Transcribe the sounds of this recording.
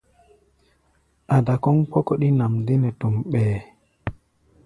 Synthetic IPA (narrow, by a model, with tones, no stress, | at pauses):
ʔa˨da˨kɔ˦ŋkɔ˦kɔ˦ɗi˦na˨mdi˦nɛ˨tu˨mɓɛː˨